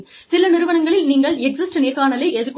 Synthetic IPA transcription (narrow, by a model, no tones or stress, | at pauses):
sɪlɐnɪɾɯʋɐɳɐŋɡɐɭɪlniːŋɡɐɭɛk̚sɪsʈɐniːkaːnɐlɐɪʔɛðɯkː